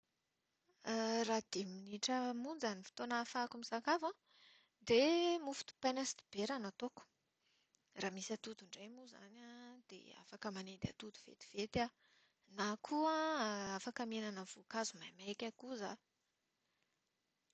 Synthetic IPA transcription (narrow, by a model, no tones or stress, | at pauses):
rad̪̥iminiʈ͡ʂəmund͡zanifi̥t̪onafakumisakava | d̪emufu̥t̪u̥panasi̥d̪i̥b̥eɾanat̪oku̥ | raːmisat̪ud̪uɳɖ͡ʐemuza̰nad̪̥ḛa̰fakəmaned̪ea̰t̪ud̪uv̥ḛt̪i̥v̥et̪a | nakʰuaafakəmenanəv̥ukazumajmajkʲakuza